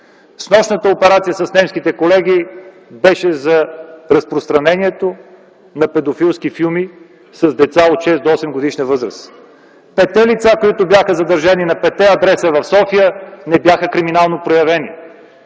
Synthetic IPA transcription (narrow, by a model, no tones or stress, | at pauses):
snɔʃnət̪əopɛɾat̪siəsɐsnɛmskit̪ɛkolɛɡ̟i | bɛʃɛzɐɾɐspɾost̪ɾɐnɛniɛt̪o | nɐpɛd̪ofilˠskifilˠmi | sɐzd̪ɛt̪saot̪ʃɛsd̪oɔsɛmɡod̪iʃnəvɤzɾə̰s | pɛt̪ːɛlit̪sakoit̪objaxəzɐd̪ɐɾʒaninɐpɛt̪ːɛɐd̪ɾɛsəvɐfsɔfijənɛbjaxəkɾiminalˠnopɾojɐvɛnḭ